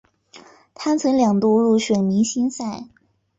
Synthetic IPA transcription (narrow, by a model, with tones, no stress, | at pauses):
t̪ʰa˥nt͡sʰɤ˧˥ŋljɑ˨˩ŋt̪u˥˧lu˥˩ɕɥɛ˨˩nmi˧˥ɕi˥nsa˥˩ɪ